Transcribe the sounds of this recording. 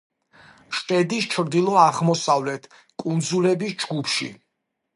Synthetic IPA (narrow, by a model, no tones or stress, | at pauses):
ʃpʼɛd̪ist͡ʃʰɾd̪ilˠɔaʁmɔsavlɛt̪ʰ | kʼund̪zulɛbisd͡ʒɡupʰʃḭ